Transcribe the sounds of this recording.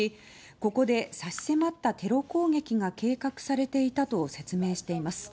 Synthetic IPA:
i | ko̞ko̞d̪e̞saɕi̥se̞mat̪ːat̪e̞ɾo̞ko̞ːɡe̞kʲiɡake̞ːkakɯ̟̥saɾe̞t̪e̞it̪at̪o̞se̞t͡sɨme̞ːɕi̥t̪e̞imasɨ̥

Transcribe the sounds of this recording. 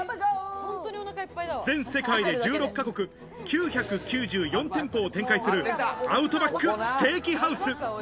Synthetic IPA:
d͡zẽ̞ɰ̃se̞kaid̪e̞d͡ʑɨːɾo̞kːako̞kɯ̟ | kʲɨːçakɯ̟kʲɨːʑɨːjõ̞nt̪ẽ̞mpo̞ːt̪ẽ̞ŋkaisɨɾɯ̟aɯ̟t̪o̞bakːɯ̟st̪e̞ːkʲiɦaɯ̟sɨ

